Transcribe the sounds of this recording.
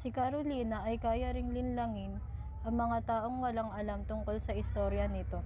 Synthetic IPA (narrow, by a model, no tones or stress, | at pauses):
sɪkɐɾoliːnɐʔɐjkaːjɐɾɪŋlɪnlɐŋɪn | ʔɐŋmɐŋat̪aːʔo̞ŋwɐlaŋʔɐlamt̪ʊŋko̞lsɐɪst̪o̞ːɾjɐnɪt̪o̞